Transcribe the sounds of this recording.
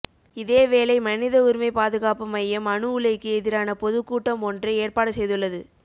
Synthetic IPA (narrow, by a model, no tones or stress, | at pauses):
ɪðeːʋeːlɐɪmɐnɪðɐʊɾɪmɐɪpaːðɯɣaːpɯmɐjːɐmɐɳɯʊɭɐɪkːɯɛðɪɾaːnɐpɔðɯkːuːʈːɐmɔndrɐeːrpaːɽɐsɛjðɯɭːɐðɯ